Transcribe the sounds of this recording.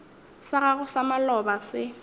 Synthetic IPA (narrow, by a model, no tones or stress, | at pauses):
saɣaɣʊsamalɔbasɪ